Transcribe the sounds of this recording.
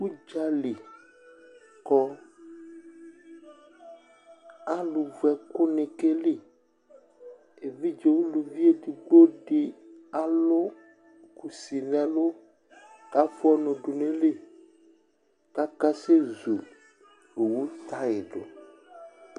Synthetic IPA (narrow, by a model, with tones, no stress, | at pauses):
wu˦d͡ʒa˦li˨ | kɔ˦ | a˦lu˨vu˨ɛ˨kʊ˦nẽ˨ke˦le˦ | e˨vi˦d͡ʒe˨wo˦lu˨vi˦e˦t̪i˨ɡ͡bo˦ɖe˨a˨lo˦ | ku˨si˨nɛ̃˨lo˦ | ka˦fo˦ɔ˦nõ˨ɖo˨nẽ˦le˦ | ka˦ka˦se˦zu˨ | o˨wu˦t̪a˦e˨ɖo˨